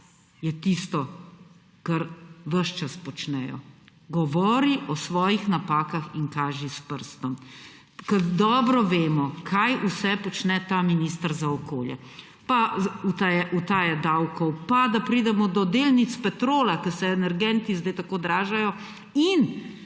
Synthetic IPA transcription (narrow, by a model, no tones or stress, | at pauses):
jɛt̪ist̪ɔ | kɐɾʋəʃt͡ʃaspɔt͡ʃnɛjɔ̰ɡɔʋɔːɾiʔɔsʋɔːjixnapaːkaxiŋkaːʒispəɾst̪ɔm | kəd̪ɔːbɾɔʋeːmɔkʰajusɛpɔt͡ʃnɛt̪aːminiːst̪əɾzaɔkoːljɛ̰ | paut̪ajʔut̪aːjad̪awkɔwpad̪apɾid̪ɛmɔd̪ɔd̪elnit̪spɛt̪ɾoːlakəsɛɛnɛɾɡɛnt̪izd̪ɛjt̪akoːd̪ɾaːʒajɔ | in